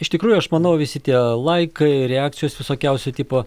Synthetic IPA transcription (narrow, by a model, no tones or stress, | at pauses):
ɪʃt̪ʲɪkɾuːjʊɐʃmɐnɐʊʋʲɪsʲɪt̪ʲiɛlˠɐɪkɐɪɾʲɛɑːk̚t̪ʲɪjoːsʋʲɪsoːkʲɛʊsʲɛt̪ʲiːpo